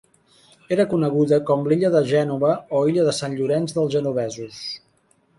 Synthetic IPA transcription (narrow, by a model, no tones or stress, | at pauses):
eɾəkunəɣuðəkɔmliʎəðəʒɛnuβəɔiʎəðəsanʎuɾɛnzðəlˠzʒənuβɛzus